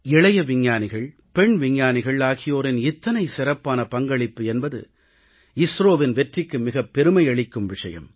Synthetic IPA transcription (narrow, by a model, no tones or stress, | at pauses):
ɪɭɐjɐʋɪɲːaːnɪɣɐɭ | pɛɳʋɪɲːaːnɪɣɐɭaːɣɪjoːɾɪnɪt̪ːɐnɐɪsɪɾɐpːaːnɐpɐŋɡɐɭɪpːɯɛnbɐðɯ̰ | ɪsɾoːʋɪnʋɛʈrɪkːɯmɪɣɐpːɛɾɯmɐɪɐɭɪkːɯmʋɪʂɐ̰jɐ̰m